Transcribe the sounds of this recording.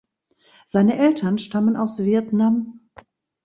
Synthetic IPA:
z̥aɪnəʔɛltʰɐnʃtamənaʊsv̥iɐtnam

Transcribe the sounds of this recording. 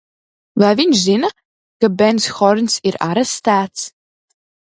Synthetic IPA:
vaːvinzinɐ | kɐbɛnsxɔrnsiɾa̰ɾɛst̪aːt̪s

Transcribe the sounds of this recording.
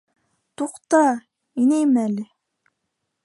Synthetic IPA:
t̪uqt̪ɑ | inejmælɪ

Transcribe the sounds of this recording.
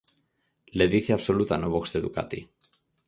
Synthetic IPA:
leðiθiɐpsolut̪anoβoxst̪et̪uka̰t̪ḭ

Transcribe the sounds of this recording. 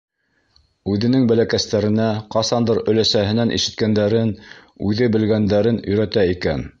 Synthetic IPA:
ʉðɘ̆nɘŋbælækæst̪æɾɘ̆næqɑsɑnd̪ɤɾɵ̆læsæɦɘ̆nænʔḭʃɘ̆t̪̚kænd̪æɾɘnʉðɘbɘ̆lɡænd̪æɾɘnɵ̆jɾæt̪æikæn

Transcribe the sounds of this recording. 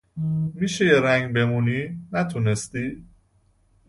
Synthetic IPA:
miːʃejeɾæŋɡbe̞muniːnæt̪ʰunest̪iː

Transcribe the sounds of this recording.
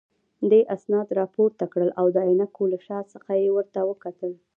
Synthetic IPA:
d̪eʔasnɑd̪ɾɑpoɾt̪akɽəlʔawd̪əajnakolaʃɑsəxajewəɾt̪awəkat̪əl

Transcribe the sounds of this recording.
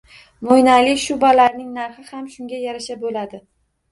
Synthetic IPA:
mojnalɪʃʊbalaɾnɪŋnaɾχɪhamʃʊŋɡʲajaɾaʃabolad̪ɪ

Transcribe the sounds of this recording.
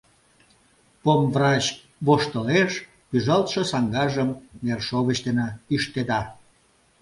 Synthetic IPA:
pomvrɑt͡ɕ | βoʃt̪əleʃ | pyʒɑlt̪ʃəsɑŋɡɑʒəmːerʃoβət͡ɕt̪enɑiʃt̪ed̪ɑ

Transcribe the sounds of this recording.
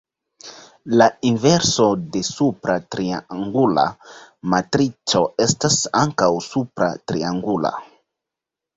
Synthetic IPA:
lainve̞ɾso̞de̞supɾatɾiaŋɡula̰matɾit͡ʃo̞e̞stasaŋkawsupɾa̰tɾiaŋɡula̰

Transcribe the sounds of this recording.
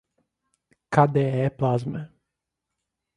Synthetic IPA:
kad̪ɛɛplˠazmɛ

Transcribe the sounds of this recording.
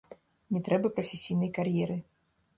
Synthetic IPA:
nʲɛt̪ɾɛbɐpɾɐfʲɛsʲijnɐjkarjɛɾɨ

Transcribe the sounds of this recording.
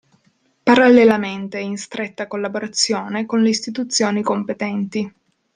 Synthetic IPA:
paɾalːelament̪einst̪ɾet̪ːakolːaboɾat̪sːjoːnekonleist̪it̪ut̪sːjoːnikompet̪ɛnt̪i

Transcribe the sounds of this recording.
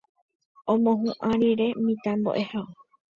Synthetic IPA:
õmõɦũʔãɾiɾe̞mĩt̪ambo̰ʔe̞hao

